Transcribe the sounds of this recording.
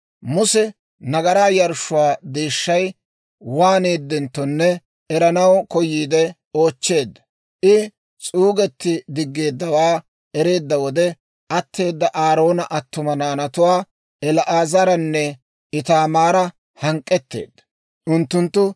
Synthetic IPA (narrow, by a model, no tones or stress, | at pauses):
mʊsɛ | nɐɡɐɾaːjɐɾʃʊwaːd̪eːʃːɐj | waːne̞ːd̪ːɛnt̪ːɔnːɛ | ɛɾɐnɐwkɔjiːd̪ɛ | o̞ːt͡ʃːe̞ːd̪ːɐ | ʔɪ | t͡sʼuːɡɛt̪ːɪd̪ɪɡːe̞ːd̪ːɐwaː | ɛɾe̞ːd̪ːɐwɔd̪ɛ | ʔɐt̪ːe̞ːd̪ːɐʔaːɾo̞ːnɐʔɐt̪ːʊmɐnaːnɐt̪ʊwaː | ɛlʔaːzɐɾɐnːɛ | ɪt̪aːmaːɾɐ | hɐŋkʼːɛt̪ːe̞̰ːd̪ːɐ̥ | ʔʊnt̪ːʊnt̪ːʊ